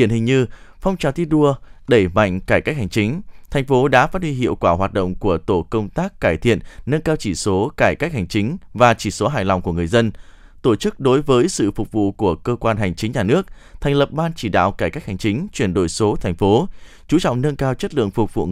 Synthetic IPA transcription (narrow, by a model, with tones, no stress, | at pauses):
i˧˩ənhï˨˩ŋ̟ɲɨ˧fɔ˧wŋ͡mt͡ɕaː˨˩t̪ʰi˧ɗu˧əɗe˧˩ma̰˧˨jŋ̟kaː˧˩jkaː˦˥k̚ha˨˩jŋ̟t͡ɕï˨˦ŋ̟t̪ʰa˨˩jŋ̟fo˨˦ɗa̰ː˧˥faː˦˥t̚hwi˧ɦḭ˧˨əwkwaː˧˩ɦwaː˨˩t̚ɗ̰wŋ͡mku˧˩ət̪o˧˩kə˧wŋ͡mt̪aː˦˥kkːaː˧˩jt̪ʰḭ˧˨ənnə˧nkaː˧wt͡ɕi˧˩so˨˦kaː˧˩jkaː˦˥k̚ha˨˩ŋ̟t͡ɕï˨˦ŋ̟vaː˨˩t͡ɕi˧˩so˨˦ɦaː˧˨˩jla˨˩wŋ͡mku˧˩əŋɨ˨˩əjzə˧n | t̪o˧˩t͡ɕɨ˦˥k̚ɗo˨˦jvəː˨˦jsɨ̰˧˨fʊ˨˩k͡p̚vṵ˧˨ku˧˩əkəː˧kwaː˧nɦa˨˩jŋ̟t͡ɕï˨˦ŋ̟ɲaː˨˩nɨ˦˥ək̚ | t̪ʰɛ˨˩ŋ̟lə˨˩p̚ɓaː˧nt͡ɕi˧˩ɗa̰ː˧˨wkaː˧˩jka˦˥k̚ha˨˩jŋ̟t͡ɕï˨˦ŋ̟t͡ɕwi˧˩ənɗo˧˩jso˨˦t̪ʰɛ˨˩jŋ̟fo˨˦ | t͡ɕu˨˦t͡ɕɔ̰˧˨ŋ͡mnə˧nkaː˧wt͡ɕə˦˥t̚lɨ̰˧˨əŋfʊ˨˩k͡p̚vṵ˧˨